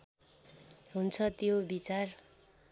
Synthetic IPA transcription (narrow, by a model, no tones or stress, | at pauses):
ɦunt͡sʰʌt̪jobit͡sar